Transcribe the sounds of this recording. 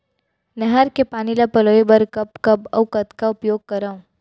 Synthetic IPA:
nɛɦəɾkepaːnilapɐloːibɐɾkɐpkɐbɐwkɐt̪kaʊpjoːɡ̚kɐɾaːũ

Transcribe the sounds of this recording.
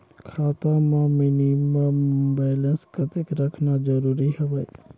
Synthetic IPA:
kʰaːt̪ãmãmɪniməmbɛːlənskət̪ekɾəkʰnad͡ʒəɾuːɾiɦɛʋe

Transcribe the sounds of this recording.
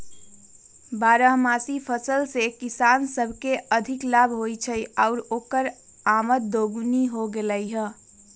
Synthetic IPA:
baːɾəɦmasipʰəsəlsekisaːnsəbʱkeəd̪ʱɪklabʱɦoit͡ʃʰəjaʊɾoːkəɾ | aːmət̪̚d̪oɡuniɦoɡeləjɦə̃

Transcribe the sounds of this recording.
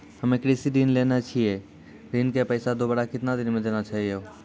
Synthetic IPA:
həmekɾisidinleːnat͡ʃʰie | ɾinkepəɪsad̪obəɽakɪt̪nad̪ɪnmẽd̪eːnat͡ʃaːɦieoː

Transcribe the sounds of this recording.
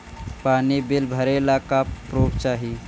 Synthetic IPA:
panibilbʱəɾelakapɾopt͡ʃaɦi

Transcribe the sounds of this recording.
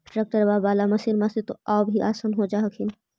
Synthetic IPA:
ʈɾeːk̚ʈəɾʋabaːlamɐsiɾmãset̪oʔaːbʱiʔaːsanɦod͡ʒaːkʰɪn

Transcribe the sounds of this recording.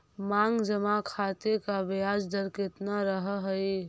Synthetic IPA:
maːŋɡd͡ʒəmakʰaːt̪ekabjaːd͡ʒd̪əɾkɪt̪naɾəɦɦi

